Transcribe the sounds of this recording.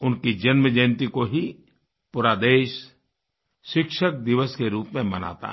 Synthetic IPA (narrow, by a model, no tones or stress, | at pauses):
ʊnkid͡ʒənməd͡ʒeːnt̪ikoɦi | pʊɾaːd̪eːʃː | ɪkʃək̚d̪ɪʋəskeɾuːpmẽmɐ̰na̰ːt̪a̰